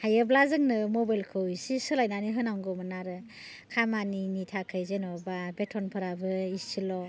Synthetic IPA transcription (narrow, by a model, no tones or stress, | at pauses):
hajɯblazɯŋnɯmɔbajlkʰɯwisisɯlajnaniɦɯnawŋɡɯmɯnaɾɯ | kʰamaninitʰakʰɯjzenɔbabetʰɔnpʰɯɾabɯistʰilɔ